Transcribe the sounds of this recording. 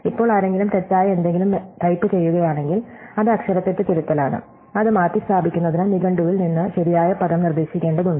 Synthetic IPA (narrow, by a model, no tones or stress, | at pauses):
ipːo̞ːɭaːɾe̞ŋɡilumt̪et͡ɕːaːjɐend̪e̞ŋɡilumʈɐjpːɨt͡ɕe̞jːuɣɐjaːɳe̞ŋɡilɐðɨɐkʂɐɾɐt̪ːet̪ːɨt̪iɾut̪ːɐlaːɳɨ̰ | ɐðɨmaːt̪ːist̪ʰaːbʱikʲːunːɐðinɨniɡɐɳɖuʋilninːɨɕɐɾijaːjɐpɐðɐmnird̪e̞ːɕikʲːe̞ːɳɖɐðuɳɖɨ